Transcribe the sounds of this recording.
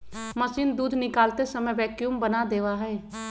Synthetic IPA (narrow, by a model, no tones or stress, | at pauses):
məsiːnd̪uːd̪ʱnɪkaːlt̪esəməʋɛːkjuːmbənad̪eːʋaɦɛː